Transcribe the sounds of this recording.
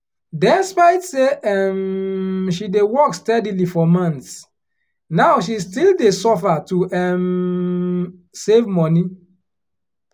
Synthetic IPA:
dɛspaɪtseʔɛm | ʃidewɔkstɛdilifɔmãnts | naʊʃ̬istildesɔfatuʔɛm | sevmɔni

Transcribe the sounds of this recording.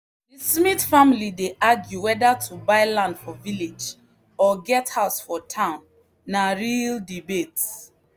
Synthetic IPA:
dismitfamilideʔaɡjuwɛdatʰubaɪlãndfɔviled͡ʒ | ɔɡɛthaʊsfɔtʰãʊ̃nː | aɹildibets

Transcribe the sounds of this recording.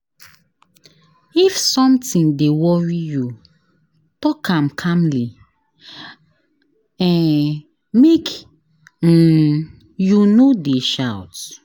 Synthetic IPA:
ifsɔ̃mtĩndewɔɹiju | tɔkʰãmkʰãmli | ɛ̃n | mek̩ | junodeʃawt

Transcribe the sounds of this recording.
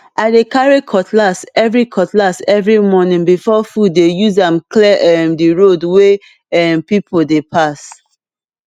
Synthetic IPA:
ʔaɪdekaɹikʰɔtʰlasɛvɹikʰɔtlasɛvɹimɔnĩŋbifɔfud̚ːejuzãmklɛʔɛmdiɹodwe | ɛmpipʰodepʰas

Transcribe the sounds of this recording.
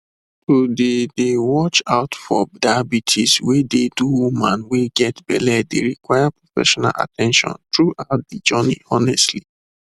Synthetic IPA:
todedewɔt͡ʃaʊtfɔdabitʰiswededuwumãnweɡɛtbɛ̰lɛdeɹikwajapɹofɛ̰ʃɔna̰lʔa̰tʰɛ̃nʃɔ̰̃ntɹuʔaʊt̚did͡ʒɔnḭɔnɛstli

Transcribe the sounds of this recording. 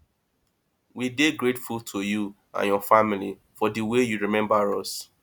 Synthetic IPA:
wideɡɹetfultʰoju | ã̰njɔfamili | fɔdiwejuɹimɛ̃mbaɹɔs

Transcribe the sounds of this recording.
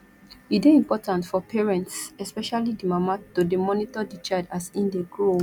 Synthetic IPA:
ideĩmpɔtãntfɔpʰɛɹɛ̃ntsɛspɛʃalidimamatodemɔnitɔdit͡ʃaɪdasĩndeɡɹo

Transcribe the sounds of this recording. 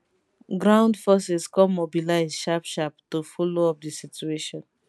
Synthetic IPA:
ɡɹãʊ̃ndfɔsɛskɔ̃mobilaɪzʃapʃaptofoloɔp̚disitueʃɔ̃n

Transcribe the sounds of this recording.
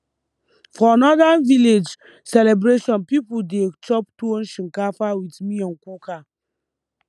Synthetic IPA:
fɔanɔdaviled͡ʒ | sɛlɛbɹeʃɔ̃npipudet͡ʃɔptũnʃĩŋkafawitmiɔ̃nkuka

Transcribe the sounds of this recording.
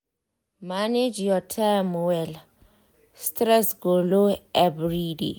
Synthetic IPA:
maned͡ʒjɔtʰɛmwɛl | stɾɛsɡoloɛbɹidḛ

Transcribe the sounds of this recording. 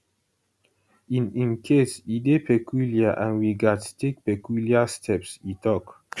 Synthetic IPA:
ininkʰesid̪epekiljaʔanwiɡatstek̚pekuljast̪ʰɛpsit̪ɔk

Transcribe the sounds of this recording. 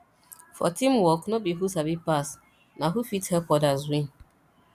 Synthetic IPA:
fɔ̰tĩmwɔknɔbiɦusabipas | naɦufithɛlpɔdazwĩn

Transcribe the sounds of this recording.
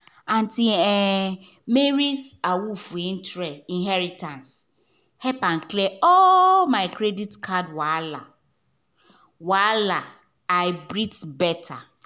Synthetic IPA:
ãn̩tiɛ | meɾisawufuĩntɾɛĩnɦɛɾitãns | hɛpan̩kleɔmaɪkɾeditkʰadwala | wala | aɪbɾitbɛtʰa

